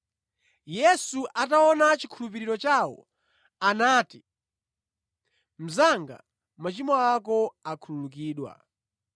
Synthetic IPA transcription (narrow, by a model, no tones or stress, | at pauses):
jɛsuʔatawɔnat͡ʃikʰulupiɾiɾɔt͡ʃawɔ̰ | anaːti | m̩zaŋɡa̰ | mat͡ʃimɔakɔakʰulunukiːɗwa̰